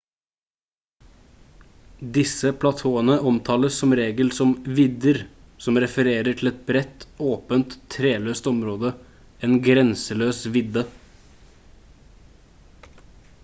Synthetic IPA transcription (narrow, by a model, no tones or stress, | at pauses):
d̪ɪsəpʰlɑt̪ʰoːənəʔɔmt̪ʰɑːləssɔmɾeːɡəlsɔmʋɪd̪əɾ | sɔmɾɛfəɾeːɾəʈʰl̩ɛt̪̚bɾɛt̪oːpənt̪ʰːɾeːløːst̪ɔmɾoːd̪ə | eːnɡɾɛnsəløːsʋɪd̪ə